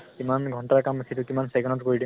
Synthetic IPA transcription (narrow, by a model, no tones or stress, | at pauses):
kimanɡʱɔntaakambekʰitʊkimansɛɡɛnɔtkoɹidi